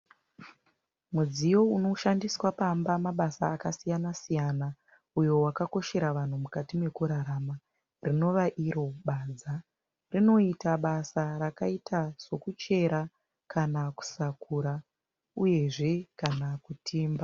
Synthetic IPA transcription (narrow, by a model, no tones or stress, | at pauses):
mud͡zijo̞uno̞ʃandiswapambamaɓasaːkasijanasijana | ujo̞wakako̞ʃe̞ɾaʋan̤umukatimwe̞kuɾaɾaːma | rino̞ʋaʔiɾo̞ɓad͡za | rino̞itaɓasaɾakaitʰaz̥o̞kut͡ʃe̞ɾa | kʰanaku̥sakuɾa | uje̞ʐe̞kanakutʰiːmba